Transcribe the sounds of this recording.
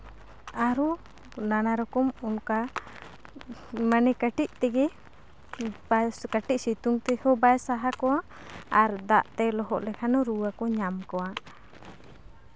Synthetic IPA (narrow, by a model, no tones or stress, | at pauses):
aɾɔ | nanaɾɔkɔmɔnka | manɛkaʈiʔ̚t̪ɛɡɛ | kaʈiʔ̚sit̪uŋt̪ɛhɔbajsaɦakɔwa | aɾd̪aʔt̪ɛlɔɦɔʔlɛkʰanɔɾuwakɔɲamkɔwa